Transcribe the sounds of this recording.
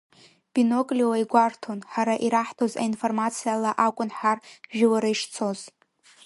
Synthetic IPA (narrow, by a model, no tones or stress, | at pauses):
b̥ino̞kʼlʲiwajɡʷartʰo̞nħaɾaʔiɾaħtʰo̞za̰info̞rmat͡sʰijalaʔakʷʼʊnħarʒᶣɪwaɾajʂt͡sʰo̞z